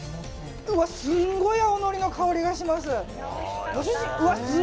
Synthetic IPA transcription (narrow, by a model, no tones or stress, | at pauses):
ɯβasɨ̃ŋɡo̞jaono̞ɾʲino̞kʰaoɾʲiɡaɕimas̬ɨ | βasɨ